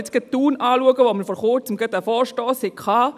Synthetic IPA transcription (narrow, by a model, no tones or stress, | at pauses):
t͡sɡ̥ət̪ːuːnɑːluəɡəʋoməɾfɔːɾχʊɾt͡səmɡət̪æfɔːɾʃtɔːsɪkχɑː